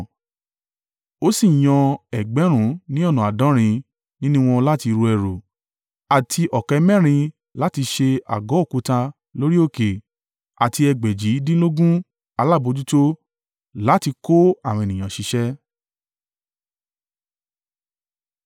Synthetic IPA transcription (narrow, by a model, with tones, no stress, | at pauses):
o˦si˦˨j̃ɔ̃˧ɛ˨ɡ͡bɛ˨˦ɾ̃ũ˨˦nĩ˦ɔ˦˨nũ˨a˨dã˨˦ɾ̃ĩ˧ | nĩ˦nũ˦w̃ɔ̃˧la˦ti˧ɾu˧ɛ˧˨ɾo˨ | a˨tʰi˧ʔɔ˨kɛ˧˦mɛ̃˦˨ɾ̃ĩ˧ | la˦ti˧ʃe˧a̰˨ɡɔ˨˦o˦˨ku˨˦ta˧ | lo˦ɾi˦o˦˨ke˨ | a˨ti˧ɛ˧ɡ͡bɛ˨d͡ʒi˨˦dĩ˦lo˦ɡũ˦ | a˧la˦˨bo˧d͡ʒu˦to˦ | la˨˦ti˧ko˦a˦˨w̃nĩ˨j̃ã˨ʃi˨˧˦ʃɛ˦